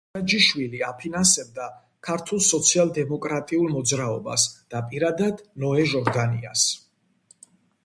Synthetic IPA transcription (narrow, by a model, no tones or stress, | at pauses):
ad͡ʒiʃwiliapʰinansɛb̚d̪a | kʰaɾt̪ʰulˠsɔt̪sʰialˠd̪ɛmɔkʼɾat̪ʼiulˠmɔd̪zɾaɔba̰sd̪̥apʼiɾad̪ad̪nɔɛʒɔɾd̪anḭa̰s